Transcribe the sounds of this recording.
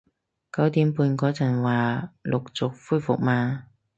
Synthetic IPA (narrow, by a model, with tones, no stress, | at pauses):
kɐ˨˥wt̪iː˨˥mpuː˧nkɔː˨˥t͡sɐ˨˩nwaː˨˩lʔʊ˨k̚t͡sʊ˨k̚fuː˥jfʊ̰˨k̚maː˧